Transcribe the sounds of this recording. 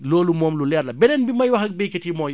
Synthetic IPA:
loːlumɔːmlulɛːrlɐbɛdɛnbimɐjwɐxɐk̚bɛkɛtimɔːj

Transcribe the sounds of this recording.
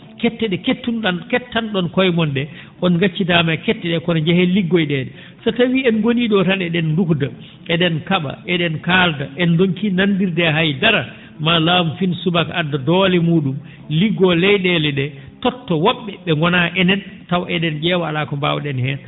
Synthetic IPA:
kɛtːɛɗɛketːunɗankɛtːanɗɔnkɔjmɔnɗɛ | ʔɔnɡat͡ʃːidamajkɛtːɛɗɛkɔnɔd͡ʒɛhɛliɡːojɗɛːɗɛ | sɔtawiɛnɡoniɗɔtanɛɗɛndukda | ɛɗɛnkaɓa̰ʔɛɗɛnkaldaʔɛndoŋkinandiɾdɛɦajdaɾa | malaːmufinsubakadadɔlɛmuːɗum | liɡːɔlɛjɗɛlɛɗɛ | tɔtːɔwɔɓːɛɓɛŋɡɔnaʔɛnɛntawʔɛɗɛnd͡ʒɛːwalakɔmbawɗɛnhɛn

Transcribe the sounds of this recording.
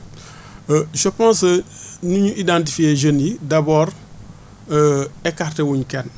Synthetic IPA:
ʃəpɔ̃ːnsənuɲuʔidãnt̬ifieʒənidabɔːɾ | ɛkaɾtewuɲkɛn

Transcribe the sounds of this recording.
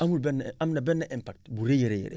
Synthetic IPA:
amulbɛnamnabɛnːaʔimpak̚tbuɾejeɾejḛɾḛ

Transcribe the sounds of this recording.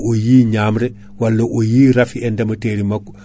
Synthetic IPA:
ʔojiːɲaːmɾe | walːɐʔojiːɾafiendɐmɐteːɾimak

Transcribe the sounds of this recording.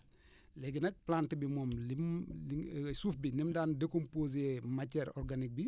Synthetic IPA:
lɛɡinɐk̚plaːntibimɔːmlimlsuːfbinimdaːndekompoːz̬emacɛɾɔɾɡanik̚bi

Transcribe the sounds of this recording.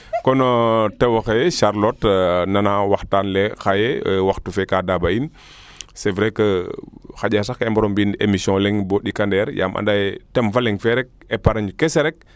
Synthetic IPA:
kɔnɔtɛwɐxeʃaɾlɔtnɐnawaxtaːnlɛxajɛwaxtufɛkadabain | sɛvɾɛkəxaɟas̬axɛmbɐɾɔmbinḛmisjɔ̃lɛŋbɔɗikandɛːɾja̰ːmʔɐ̰ndajtɛmfɐlɛŋfɛɾɛk̚ɛpaɾɐɲukɛsɛɾɛk̚

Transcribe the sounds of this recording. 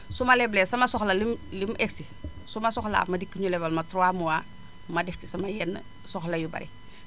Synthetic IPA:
sumɐlɛblɛsɐmɐsɔxlɐlimlimʔeksi | sumasɔxla̰ːmɐdikːiɲulɛbɐlmatɾɔwamuwa | mɐdɛftisɐmajɛnː | sɔxlɐjubɐ̰ɾḭ

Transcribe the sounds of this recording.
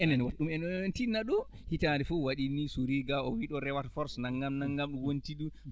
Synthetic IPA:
ʔɛnɛnwaɗumɛnntinaɗu | hitaːdɛfuwaɗinisuɾiɡaɔwiɗɔɾɛwatfɔɾsnaŋɡamnaŋɡamɗuwontiɗu

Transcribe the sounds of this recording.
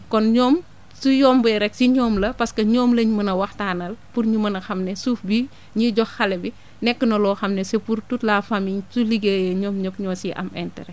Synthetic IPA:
kɔnɲɔːm | sujɔːmbujɾɛk̚siɲɔːmlɐpɐskɐɲɔːmlɐɲmɐnɐwɐxtaːnɐlpurɲumɐnɐxɐmnɛsuːfbi | ɲiɟɔxːɐlɛbi | nɛkːənɐlɔːxɐmnɛsɛpurtutlaːfɐmiɲsuliɡejɐɲɔːmɲopɲɔːsiʔɐ̰mɛ̰ntɛɾɛ

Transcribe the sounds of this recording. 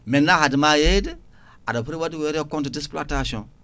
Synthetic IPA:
mɛ̃nahadɨmajedi | adapɾewadiwɛɾiɔkɔ̃ntudisplatasɔ̃

